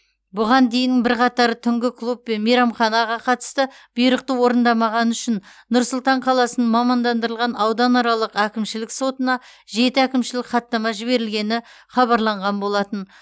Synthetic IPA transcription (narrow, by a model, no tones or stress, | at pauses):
bʊʁɑnd̪e̞jɪnɪŋbɪɾqʰɑt̪ɑɾət̪ʰʏŋɡʲɪklˠup̚ːe̞nmijɾɑmχɑnɑʁɑqʰɑt̪ə̥st̪ə | b̥ijɾəq̚t̪əwo̞ɾənd̪ɑmɑʁɑnʏʃɪnnʊɾsʊlˠt̪ɑɴqʰɑlˠɑsənəɴmɑmɑnd̪ɑnd̪əɾəlˠʁɑnɑwd̪ɑnɑɾɑlˠəqækʲɪmʃɪlɪkso̞t̪ənɑʒe̞t̪ɪækʲɪmʃɪlɪkχɑt̪ːɑmɑʒɪβe̞ɾɪlɡʲe̞nɪ | χɑβɑɾlˠɑɴʁɑnbo̞lˠɑt̪ən